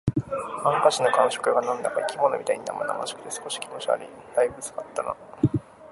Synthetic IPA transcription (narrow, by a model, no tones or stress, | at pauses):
ãŋkaɕino̞kãɰ̃ɕo̥kɯ̟ɡanãnd̪akaikʲimono̞mit̪aiɲ̟ina̰ma̰na̰mã̰ɕo̥kɯ̟t̪esɨ̥ko̞ɕi̥kʲimo̞t͡ɕia̰ɾʲḭd̪̥aibɯ̟t͡sɨ̥ɡat̪ːana̰